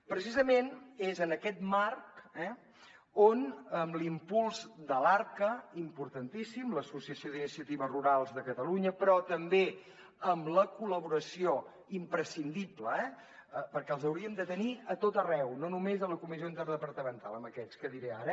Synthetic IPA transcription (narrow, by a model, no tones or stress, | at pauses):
pɾəsizəmenezənəkɛt̪markɛ | onəmlimpulˠzd̪əlaɾkəimpuɾt̪ənt̪isimləsusiəsioðinisiət̪iβəruɾalˠzðəkət̪əluɲəpɾɔt̪əmbe | əmləkuləβuɾəsio | impɾəsind̪ipləɛ | əpəɾkɛəlˠzəwɾiəmd̪ət̪əniət̪ot̪ərɛwnonumezðələkumizioint̪əɾðəpəɾt̪əmənt̪a̰lˠəməkɛskəðiɾɛaɾə